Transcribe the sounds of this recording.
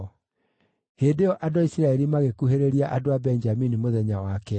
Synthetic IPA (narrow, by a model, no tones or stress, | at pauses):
heːdeɔʔadoaisiɾaɛɾimaɣekuɦeɾeɾiaʔadoabɛnd͡ʒaminimoðɛɲawakɛ